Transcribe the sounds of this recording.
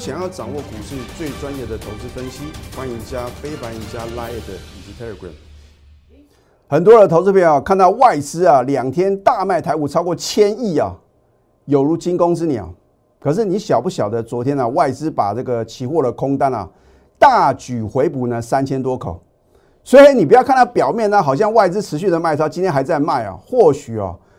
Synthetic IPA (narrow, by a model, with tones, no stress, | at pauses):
ɕjɑ˨˩ŋjɑ˥˩ʊʈ͡ʂɑ˨˩ŋwɔ˥˩ku˨˩ʂɻ̩˥˧˨t͡swe˥˩ɪt͡swa˦njɛ˥˩d̪ə˨t̪ʰo˧˥ʊt͡sɹ̩˥˩fə˥nɕi˥xwa˦˥ni˧˥nt͡ɕja˦˥fe˥ɪpa˧˥ni˧˥nt͡ɕja˦la˥ɛ˥˩d̪ə˨i˨˩t͡ɕi˧˥t̪ʰa˥ə˧˩ɡɹa̰˨˩m | xə˨˩nt̪wɔ˥d̪ə˨t̪ʰo˧˥t͡sɹ̩˥˧fe˥˩˨kʰa˥˧nt̪ɑ˥˧ʊwa˥˩ɪt͡sɹ̩˥ɐ˨ljɑ˨˩ŋt̪ʰjɛ˥nt̪a˥˧ma˥˩ɪt̪ʰa˧˥ɪu˨˩t͡sʰɑ˥ʊkwɔ˥˨t͡ɕʰjɛ˥ni˥˩ɐ˨˩ | jo˨˩ʊɻu˧˥t͡ɕi˥nkʊ˥ŋɹ̩˥ni˨˩ɐ̰˨˩ | kʰɤ˨˩ʂ̬ɻ̩˥˩˨ni˧˥ɕjɑ˨˩ʊpu˥˩ɕjɑ˨˩ʊd̪ə˦t͡swɔ˧˦˥t̪ʰjɛ˥nə˨wa˥˩ɪt͡sɹ̩˦˥pa˨˩nɤ˥˩ɡə˩t͡ɕʰi˧˥xwɔ˥˩lə˨kʰʊ˥ŋt̪a˦nɐ̰˨ | t̪a˥˩t͡ɕy˨˩xwe˧˥ɪpu˨˩nə˦sa˦nt͡ɕʰjɛ˥nt̪wɔ˥kʰo̰˨˩˦ʊ | swe˧˥xe˥ni˨˩pu˧˥jɑ˥˧ʊkʰnt̪ʰa˥˩pjɑ˨˩ʊmjɛ˥˩nə˧xɑ˨˩ʊɕ̬jɑ˥˧ŋwa˥˩ɪt͡sɹ̩˥ʈ͡ʂʰɻ̩˧˥ɕ̬y˥˩d̪ə˨ma˥˩ɪʂʰt͡ɕi˥nt̪jɛ˥nxa˧˥ɪt͡sa˥˧ɪma˥˩ɪɐ̰˩xwɔ˥˩ɕy˨˩ɐ̰˨˩